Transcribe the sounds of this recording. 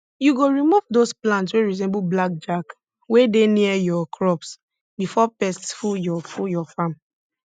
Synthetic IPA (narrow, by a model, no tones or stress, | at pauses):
juɡoɹimuvdosplãntsweɹis̬ɛ̃mbublak̚d͡ʒak | wedeniɛjɔkʰɹɔps | bifɔpɛstfujɔfujɔfãm